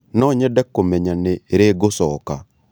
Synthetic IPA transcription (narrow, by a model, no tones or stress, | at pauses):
nɔɲɛdɛkːomɛɲaneɾeɡosɔka